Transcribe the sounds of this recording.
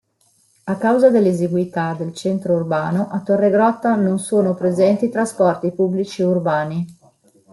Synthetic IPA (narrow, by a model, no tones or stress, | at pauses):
akːawzad̪elːezeɡwit̪ad̪elt͡ʃɛnt̪ɾourbaːnoʔat̪ːorːeɡɾɔt̪ːanonsoːnopɾezɛnt̪iːt̪ɾaspɔrt̪ipubːlit͡ʃieurbaːni